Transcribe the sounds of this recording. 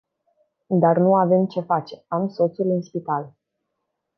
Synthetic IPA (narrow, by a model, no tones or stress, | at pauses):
d̪arnuave̞mt͡ʃe̞fat͡ʃe̞amso̞t̪sulɨnspit̪al